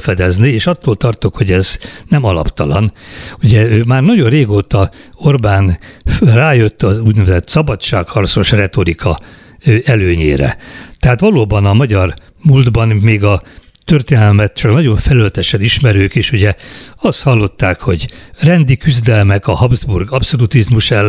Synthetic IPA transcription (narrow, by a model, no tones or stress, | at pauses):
fɛd̪ɛznieːʃɒt̪ːoːlt̪ɒrt̪okho̞ɟɛznɛmɒlɒ̰pt̪ɒlɒ̰nuɟɛøːmaːrnɒɟo̞rreːɡoːt̪ɒo̞rbaːnraːjøt̪ːɒzuːɟnɛvɛzɛt̪sɒbɒt͡ʃːaːkhɒrt̪so̞ʃrɛt̪o̞ɾikɒ | ɛløːɲḛːɾɛ̰t̪ɛɦaːt̪ʋɒloːbɒnɒmɒɟɒr | muld̪bɒnmeːɡɒ | t̪ørt̪eːnɛlmɛt̪t͡ʃɒknɒɟo̞ɱfɛlylɛt̪ɛʃɛniʃmɛɾøːkeːʃuɟɛɒst̪hɒlːo̞t̪ːaːkho̞ɟrɛnd̪ikyzd̪ɛlmɛkɒhɒbzburɡɒpso̞lut̪izmuʃɛlː